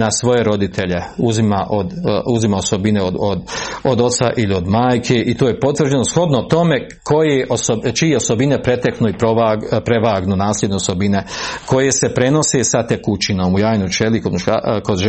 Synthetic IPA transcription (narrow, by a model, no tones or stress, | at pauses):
nasʋo̞je̞ɾo̞d̪it̪ʰe̞ʎeuzimaʔod̪uzimaosobineood̪od̪o̞t̪sa̰ʔilio̞d̪maːjkʰe̞ʔit̪oːje̞po̞t̪ʋr̩d͡ʑe̞nosxo̞d̪not̪o̞me̞ | kʰo̞jeʔosot͡ʃijeo̞sobinepɾe̞t̪eknuipɾoapɾeʋaːɡnunaːslʲjʲed̪neoso̞bineko̞jese̞pɾe̞no̞sesat̪ekut͡ʃino̞ːmujaːjnot͡ʃelikoa̰koʒ